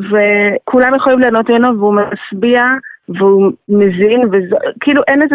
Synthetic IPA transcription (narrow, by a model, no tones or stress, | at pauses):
vekʰulamjeχojimleanotmonoveumasbiaveumezinvezokiiluʔeneze